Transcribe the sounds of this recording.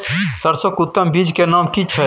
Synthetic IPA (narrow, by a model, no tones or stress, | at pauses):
səɾsokʊt̪ːəmbiːd͡ʒkenaːmkit͡ʃʰɛ